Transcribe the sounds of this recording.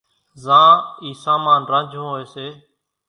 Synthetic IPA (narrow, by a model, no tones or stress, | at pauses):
zãːiːsaːmaːnɾə̃nd͡ʒʱɦoːeːseː